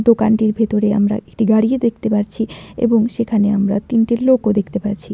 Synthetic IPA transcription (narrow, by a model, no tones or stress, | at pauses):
d̪okanʈiɾbʱet̪oɾea̰mɾa̰ʔek̚ʈiɡaɾied̪ek̚ʰt̪epaɾt͡ɕʰiḛboŋʃekʰaneamɾa̰t̪inʈilokod̪ekʰt̪epaɾt͡ɕʰi